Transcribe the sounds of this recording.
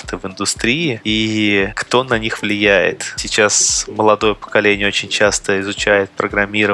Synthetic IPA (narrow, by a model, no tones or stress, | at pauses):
t̪ɨvɪnd̪ʊst̪ɾʲiɪikt̪o̞nɐnʲixvlʲɪjæjɪ̰t̪sʲɪt͡ɕasməlˠɐd̪o̞jəpə̥kɐlʲenʲɪəot͡ɕɪnʲt͡ɕast̪əɪzʊt͡ɕæjɪt̪̚pɾəɡɾɐmʲiɾə